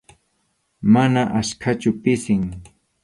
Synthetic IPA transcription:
manaʔaskʰat͡ʃʊpɪsɪŋ

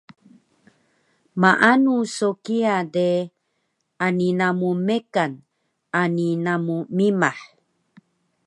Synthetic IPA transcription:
maʔanusokiade | aninamumekan | aninamumimaħ

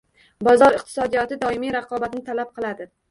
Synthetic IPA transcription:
bɒzɒɾɪq̚t̪ʰɪ̥sɒd̪ijɒt̪ɪd̪ɒɪmijɾɑqʰɒbat̪ɪnɪt̪ʰalap̚qʰɨlˠad̪ɪ

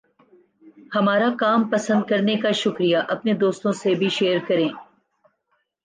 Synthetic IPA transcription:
hɐmaːɾakaːmpɐsə̃nd̪̚kɐɾnekaʃʊkɾijaʔɐpned̪oːst̪õsebʱiʃeːəɾkɐɾẽː

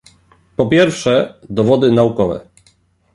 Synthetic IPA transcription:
pɔpʲjɛɾfʂɛd̪ɔvɔd̪ɘnaukɔvɛ̰

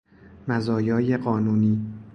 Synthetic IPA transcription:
mæzɒːjɒːjeɢɒːnuːniː

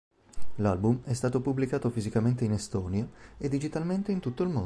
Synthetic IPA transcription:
lalbumɛst̪aːt̪opublikaːt̪ofizikament̪einest̪ɔːnijoed̪ːid͡ʒit̪alment̪eint̪ut̪ːoilmo

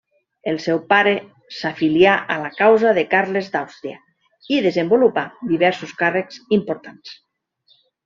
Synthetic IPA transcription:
elˠsɛwpaɾe | safiljaʔalakawzaðekaɾlezd̪awst̪ɾia̰ | iðezembolupad̪iβ̞ɛɾsuskarekzimpoɾt̪ans

